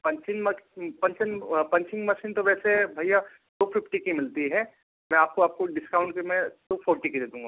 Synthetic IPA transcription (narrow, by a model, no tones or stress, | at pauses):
pɐ̃nt͡ʃɪnmɐpɐ̃nt͡ʃənpɐ̃ɲt͡ʃɪ̃ŋɡmɐʃiːnt̪oʋɛːsebʱɐija | ʈoːpʰɪpʈikimɪlt̪iɦɛː | mɛ̃aːp̚koaːp̚koɖɪskaːʊ̃ɳʈkemẽt̪opʰoːɾʈiked̪eːd̪ũːŋɡaː